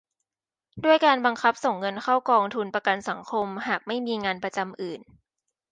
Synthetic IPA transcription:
du˥˩əjkaː˧nba˧ŋkʰa˦˥p̚so˨˩ŋːɤ˧nkʰa˥˩wkɔː˧ŋt̪ʰu˧npɾa˧ka˧nsa˩˦ŋkʰo˧mhaː˨˩k̚ma˥˩jmiː˧ŋaː˧npɾa˧t͡ɕa˧mʔɯː˨˩n

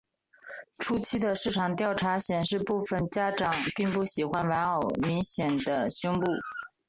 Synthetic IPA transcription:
ʈ͡ʂʰu˥t͡ɕʰi˥d̪ə˨ʂɻ̩˥˩ʈ͡ʂʰɑ˨˩ŋt̪jɑ˥˩ʊʈ͡ʂʰa˧˥ɕjɛ˨˩nʂɻ̩˥˧pu˥˩fə˨˩nt͡ɕja˥ʈ͡ʂɑ˨˩ŋpi˥˧ŋpu˥˩ɕi˨˩xwa˥nwa˧˥nɑ˨˩ʊmi˧˥ŋɕjɛ˨˩nd̪ə˦ɕɔ˥ŋpu˥˩

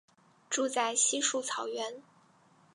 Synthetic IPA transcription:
ʈ͡ʂu˥˧t͡sa˥˩ɪɕi˥ʂu˥˩t͡sʰɑ˨˩ʊɥɛ˧˥n

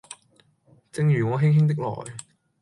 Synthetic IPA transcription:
t͡sɪ˧ŋjyː˨˩ŋɔː˨˧ɦɪ˥ŋɦɪ˥ŋt̪̬ɪ˥k̚lɔ̰ː˨˩j

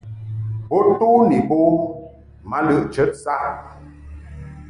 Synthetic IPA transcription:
bo˦to˦ni˨bo˦ | ma˦lɨ˦˨ʔt͡ʃə˦t̚sa˦˨

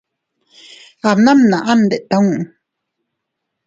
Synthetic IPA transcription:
a˨mna˦mna˨ʔa˦nd̪e˨ʔt̪a˨ũʔ

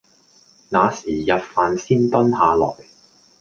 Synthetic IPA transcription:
naː˨˧siː˨˩jɐ˨t̚faː˨nsiː˥nt̪ɐ˥nhaː˨˧lɔ̰ː˨˩j

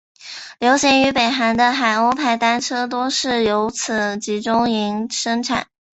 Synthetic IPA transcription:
ljo˧˥ʊɕjɛ˧˥ny˧˥pe˨˩ɪxa˧˥nd̪ə˧xa˨˩ɪo˥ʊpʰa˥˩ɪt̪a˥nʈ͡ʂʰɤ˥t̪̬wɔ˥ʂɻ̩˥˩jo˧˥ʊt͡sʰɹ̩˨˩t͡ɕi˧˥ʈ͡ʂʊ˥ŋi˧˥ŋʂɤ˥ŋʈ͡ʂʰa̰˨˩˦n

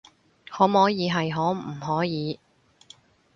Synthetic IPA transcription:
hɔː˨˥mɔː˨˥jiː˨˧ɦɐ˨jɦɔː˨˥m̩˨˩ɦɔː˨˥jiː˨˧

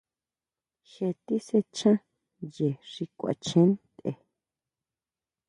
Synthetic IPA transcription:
xe˧t̪i˦se˧t͡ʃã˦ | je˨ʐ̥i˧kʷa̰˨t͡ʃẽ˦nt̪ḛ˧

